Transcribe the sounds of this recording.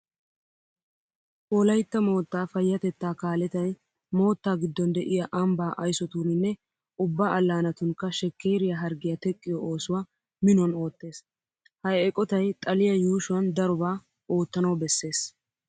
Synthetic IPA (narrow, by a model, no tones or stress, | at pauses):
ʔɔlɐjt̪ːɐmo̞ːt̪ːaːfɐjːɐt̪ɛt̪ːaːkaːlɛt̪ɐj | mo̞ːt̪ːaːɡɪd̪ːɔnd̪ɛʔɪjɐʔɐmbaːʔɐjsɔt̪uːnɪnːɛ | ʔʊbːaːʔɐlːaːnɐt̪ʊŋkːɐʃɛkːeːɾɪjɐɦɐɾɡɪjɐt̪ɛkʼːɪjɔʔo̞ːsʊwaː | mɪnɔno̞ːt̪ːe̞ːs | hɐjɛkʼɔt̪ɐjt̪ʼɐlɪjɐjuːʃʊwɐnd̪ɐɾʊbaː | o̞ːt̪ːɐnɐwbɛsːe̞ːs